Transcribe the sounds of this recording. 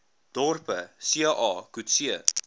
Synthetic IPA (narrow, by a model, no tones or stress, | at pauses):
d̥ɔrpəsiʔɑːkutsiə